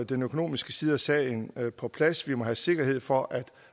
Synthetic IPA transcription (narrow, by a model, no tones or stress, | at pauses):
d̥enøkʰo̝no̝̰ːmisɡ̥əsiːð̞ˠɐsɛ̰ənpʰɒ̽pʰlæsʋimɒ̽ɦæse̝ɡ̥ɐɦe̝ð̞̰ˠfɒ̽ʔæd̥